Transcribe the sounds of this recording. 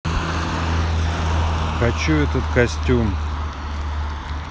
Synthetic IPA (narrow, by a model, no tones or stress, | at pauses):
xɐt͡ɕuɛt̪ət̪kɐsʲtʲum